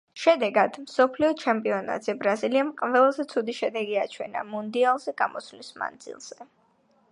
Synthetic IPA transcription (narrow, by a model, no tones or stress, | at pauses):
ʃɛd̪ɛɡad̪̥msɔpʰliɔt͡ʃʰɛmpʼiɔna̰d̪z̥ɛbɾaziliamqʼvɛlˠazɛt̪sʰud̪iʃɛd̪ɛɡiat͡ʃʰwɛ̰na̰mund̪ialˠzɛɡamɔslisma̰nd̪zḭlˠz̥ɛ